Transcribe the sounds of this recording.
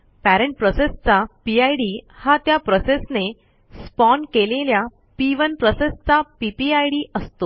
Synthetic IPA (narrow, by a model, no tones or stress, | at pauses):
pæɾẽɳʈ̚pɾɔsest͡sapiajɽihat̪japɾɔsesne | spɔɳɖkelelja | piʋənpɾɔsest͡sapipiajɽiːʔəst̪o